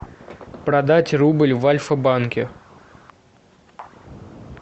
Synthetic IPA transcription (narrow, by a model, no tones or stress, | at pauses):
pɾɐd̪atʲrubɨlʲvalʲfəbankʲɪ